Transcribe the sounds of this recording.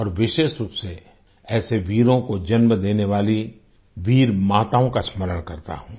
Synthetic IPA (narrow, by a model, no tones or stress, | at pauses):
ɔːɾʋɪʃeːʃɾuːpse | ɛːseʋiːɾõkod͡ʒɐnməd̪eːneʋaːli | ʋiːɾmaːt̪aõkasməɾəɽ̃kɐɾt̪a̰ɦũː